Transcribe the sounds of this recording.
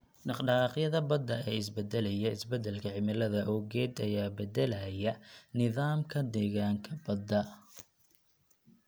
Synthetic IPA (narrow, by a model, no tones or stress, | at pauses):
ɖɑqɖɑqjɐðɐbɐd̪ɐɛːɪsbɛd̪ɛlɛjɐɪsbɛd̪ɛlkʰɐʕɪmɪlɐðɐʔɔːɡɛːd̪ɐjaːbɛd̪ɛlɐjɐnɪðaːmkʰɐd̪ɛːɣaːŋkʰɐbɐd̪ːɐ